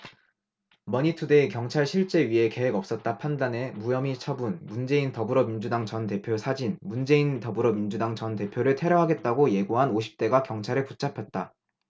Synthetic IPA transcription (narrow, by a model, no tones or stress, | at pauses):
mʌɲitʰude̞ikjʌŋt͡ɕʰaɭɕʰiɭt͡ɕ͈e̞ɥiɦe̞ke̞ɦe̞ɡʌp̚s͈ʌt̚t͈apʰandane̞mujʌmit͡ɕʰʌbunmund͡ʑe̞intʌbɯɾʌmind͡ʑudaŋt͡ɕʌnte̞pʰjosʰad͡ʑinmund͡ʑe̞intʌbɯɾʌmind͡ʑudaŋt͡ɕʌnte̞pʰjoɾɯɭtʰe̞ɾjʌɦaɡe̞t̚t͈aɡoje̞ɡoɦanoɕʰi̥p̚t͈e̞ɡakjʌŋt͡ɕʰaɾɯɭput͡ɕ͈ʰapʰjʌt̚t͈a